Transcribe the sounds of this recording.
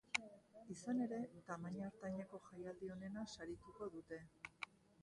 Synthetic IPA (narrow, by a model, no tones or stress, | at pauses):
isane̞ɾe̞t̪amaɲaɾt̪aɲeko̞ʝajald̪io̞ne̞nasaɾit̪uko̞ðut̪e̞